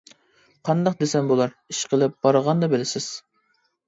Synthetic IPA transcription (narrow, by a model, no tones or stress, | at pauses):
qʰɑnd̪ɑq̚d̪esɛmbolˠɑɾ | iʃqʰəlˠɪp̚b̥ɑɾəʁɑnd̪ɑbɪlɪsɪz̥